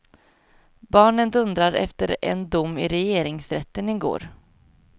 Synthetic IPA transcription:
bɑːɳənd̪ɵnd̪ɾaɾɛ̰ft̪əɾɛ̰nd̪ʊmːɪɾɛjeːɾɪŋsɾɛt̪ːənɪɡo̰ːɾ

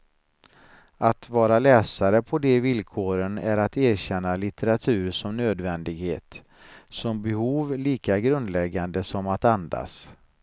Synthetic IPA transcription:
at̪vɑːɾalɛːsaɾəpʰɔd̪ɛvɪlkʰoːɾənæɾat̪æːɾɕɛnːalɪt̪ʰɛɾat̪ʰʉ̟ːɾʂɔmnøːd̪vɛnd̪ɪɡhḛːt̪ | sɔmbɛhuːvliːkaɡɾɵnd̪lɛɡand̪əsɔmat̪and̪a̰s

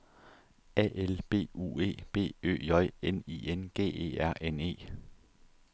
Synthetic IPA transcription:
ɛ̰ʔelb̥e̝̰ːṵːe̝̰ːb̥e̝̰ːø̰ːjɒ̽ɪ̰enḭːenɡ̥e̝̰ːe̝̰ːæɐ̰ʔene̝̰ː

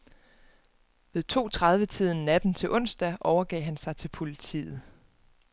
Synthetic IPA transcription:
ʋe̝ðˠt͡sʰo̝̰ːt͡sʰʁɑ̈ð̞ˠʋət͡sʰið̞̰ˠn̩næd̥n̩t͡sʰe̝lʔɔ̽n̰sd̥æʔɒʊɐɡ̥ɛ̰ːɦænsɑ̈ɪt͡sʰe̝lpʰo̝lit͡sʰḭːð̩ˠ

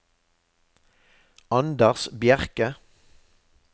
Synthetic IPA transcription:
ɑnd̪əʁsbjæʁkə

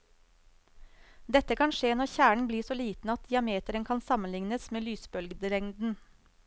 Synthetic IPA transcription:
d̪ɛt̪əkʰɑnʃeːnɔɾçæːɳ̩bliːsoːliːt̪n̩ɑt̪̚d̪ɪːɑmeːt̪əɾənkʰɑnsɑmənlɪŋnəsmeːlyːsbœlɡd̪ɾɛŋd̪n̩

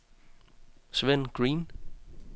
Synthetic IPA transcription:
sʋen̰ɡ̥ʁiːn

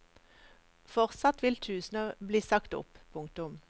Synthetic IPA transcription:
fɔʁt̪sɑt̪ʋɪlt̪ʰʉːsn̩əbliːsɑkt̪ɔ̰ppʰʊŋk̚t̪ʊm

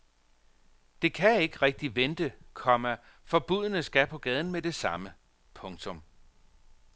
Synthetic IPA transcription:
d̥e̝kʰæe̝ɡ̥əʁɛɡ̥̚d̥iʋend̥əkʰɒ̽mæ | fɒ̽b̥uðˠnəsɡ̥æpʰɒ̽ɡ̥ɛːð̞ˠn̩med̥e̝sɑ̈mə | pʰɔ̽ŋt͡sʰɔ̽m

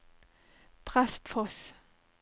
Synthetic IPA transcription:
pʰʁɛst̪fɔs

